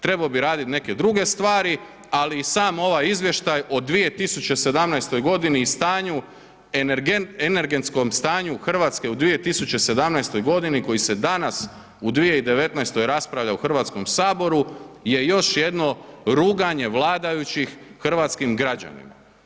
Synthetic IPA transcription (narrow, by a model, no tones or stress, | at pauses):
t̪ɾe̞baobiɾaːd̪it̪ne̞ke̞d̪ɾuɡe̞st̪ʋaːɾi | aliːsaːmo̞ʋajizʋje̞ʃt̪ajod̪ʋije̞t̪isut͡ɕese̞d̪amnajst̪o̞jɡo̞d̪iniːst̪aːɲu | enene̞ɾɡe̞nt̪sko̞mst̪aːɲuxr̩ʋaːt̪ske̞ud̪ʋije̞t̪isut͡ɕe̞se̞d̪amnajst̪o̞jɡo̞d̪iniko̞jise̞d̪anas | ud̪ʋije̞id̪e̞ʋe̞t̪najst̪o̞jɾaspɾaʋʎauxr̩ʋaːt̪skomsaːbo̞ɾuje̞jo̞ʃje̞d̪no̞ɾuːɡaɲe̞ʋlˠaːd̪ajut͡ɕixːr̩ʋat̪skimɡɾad͡ʑa̰nḭma̰